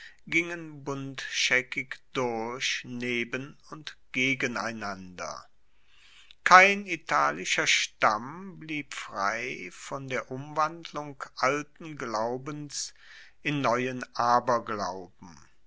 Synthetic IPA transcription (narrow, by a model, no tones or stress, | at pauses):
ɡ̥ɪŋənbʊntʃɛkɪkd̥ʊɐçneːbənʊntɡ̥eːɡəna̰ɪnandɐ̰ | kʰaɪnitʰaːlɪʃɐʃtambliːpfʁ̥a̰ɪfɔndeːɐʔʊmvandlʊŋkʔaltn̩ɡlaʊbəns | ʔɪnːɔʏənʔaːbɐɡlaʊbm̩